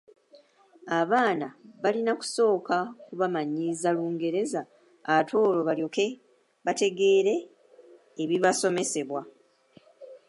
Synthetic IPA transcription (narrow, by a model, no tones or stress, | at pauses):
aβaːnaβalinaku̥so̞ːkakuβamaɲizaluːŋɡe̞ɾe̞zaː | atʰo̞ːlo̞βaljo̞ke̞ | βate̞ɡe̞ːɾe̞ː | βiβaso̞me̞se̞βwa